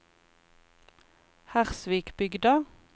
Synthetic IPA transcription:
hæʁsʋiːkbʏɡd̪ə

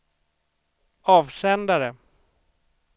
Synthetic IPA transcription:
ɑːvsɛnd̪aɾə

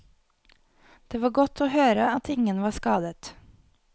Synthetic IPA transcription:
d̪̥eːʋɑːɡɔt̪ʰoːhøːɾəɑt̪ʰɪŋənʋɑːskɑːd̪ət̪

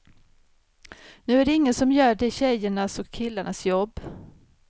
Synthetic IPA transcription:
nʉ̟ːæɖɛɪŋːənsɔmjœːɖɛɕɛjːəɳasɔkʰːɪlːaɳasjɔbː

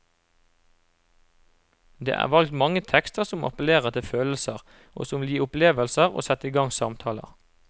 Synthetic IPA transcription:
d̪ḛːʔæ̰ːʋɑlkt̪mɑŋət̪ʰɛkst̪əʁsʊmʔɑ̰pəleːʁət̪ʰɪføːləl̩səʁ | ʔo̰ːsʊmliːʊpleːʋəlsəʁo̰ːsɛt̪iːɡɑŋsɑmt̪ʰɑːlə̰ʁ

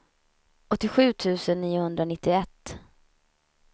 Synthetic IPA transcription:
ɔt̪ːɪɧʉ̟ːt̪ʰʉ̟ːsənːiːʊhɵnd̪ɾanɪt̪ːɪɛt̪ː

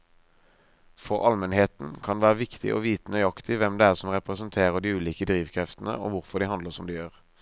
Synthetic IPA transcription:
fɔʁʔɑlmɛnheːt̪n̩kʰɑnʋæːʁəʋɪkt̪ʰɪ̰ʔo̰ːʋiːt̪ənœʏɑkt̪ɪʋɛmd̪eːæːʁsɔmʁɛpʁəsənt̪ʰeːʁəʁd̪iːʉːliːkəd̪ʁiːʋkʰʁɛft̪n̩ə̰ʔo̰ːʋʊʁfɔd̪iːɦɑnd̪ləʁsɔmd̪iːjøːʁ

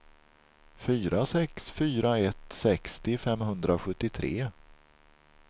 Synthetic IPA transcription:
fyːɾasɛksfyːɾaɛt̪sɛkst̪ɪfɛmɦɵnd̪ɾaɧɵt̪ːɪt̪ʰɾeː

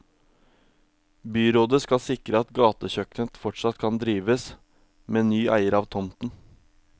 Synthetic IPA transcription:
byːɾoːd̪əskɑsɪkɾəɑt̪ɡɑːt̪əçœknət̪fɔʈʂɑt̪kʰɑnd̪ɾiːʋəs | meːnyːʔæ̰ɪəɾɑːʋt̪ʰɔmt̪n̩

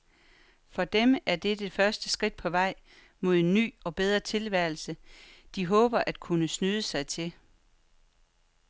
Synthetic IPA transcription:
fɒ̽d̥emæɐd̥ed̥e̝fɶɐsd̥əsɡ̥ʁid̥̚pʰɒ̽ʋɑ̈ɪ̰ | mo̝ð̞̰ˠenːy̰ːɒ̽b̥eð̞ˠʁɐt͡sʰe̝lʋæɐ̰l̩səd̥iɦɔ̽ːb̥ɐʔæd̥̚kʰunəsnyðˠəsɑ̈ɪt͡sʰe̝l

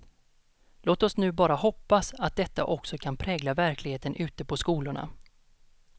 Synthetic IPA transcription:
loːt̪ɔsnʉ̟ːbɑːɾahɔpːasat̪̚d̪ɛt̪ːa̰ʔɔksɔkʰanpʰɾɛːɡlavæɾklɪɡheːt̪ənʔʉ̟ːt̪əpʰɔskuːlʊɳa̰

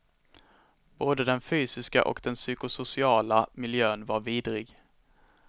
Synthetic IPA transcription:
b̥oːd̪əd̪ɛnfyːsɪska̰ʔɔ̰kd̪ɛnsyːkʊsʊsɪɑːlamɪljøːnvaɾviːd̪ɾɪɡ

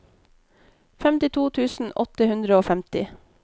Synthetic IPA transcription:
fɛmt̪ɪt̪ʰuːt̪ʰʉːsn̩ʔɔt̪əhʉnd̪ɾəoːfæmt̪ɪ

